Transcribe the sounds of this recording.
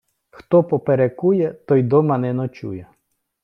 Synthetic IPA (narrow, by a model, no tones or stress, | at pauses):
xt̪ɔpɔpeɾekujɛt̪ɔjd̪ɔmɐnɛnɔt͡ʃṵjɛ